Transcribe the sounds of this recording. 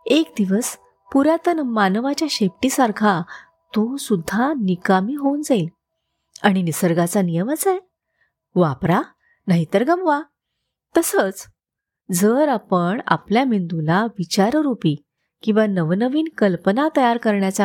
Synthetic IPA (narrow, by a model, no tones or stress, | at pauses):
ekd̪iʋəs | puɾjat̪ənmanʋat͡ɕjaɕep̚ʈiːsaɾkʰa | t̪osud̪ʱːanikamiːɦond͡zail | aɽ̃inisəɾɡat͡sanijəmat͡sae | ʋapɾa | naɦit̪əɾɡəmʋa | t̪əsət͡s | d͡zəɾapəɳa̰pljamind̪ulaʋit͡ɕaɾɾupiː | kĩw̃ʋanəʋnəʋiːnkəlpənat̪əjaɾkəɾɳjat͡sa